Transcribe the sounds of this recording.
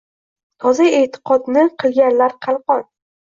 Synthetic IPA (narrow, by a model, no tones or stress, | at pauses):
t̪ʰɒzaet̪ʰɪ̥qʰɒd̪nɪqʰɨlˠɡʲanlaɾqʰɑlˠqɒn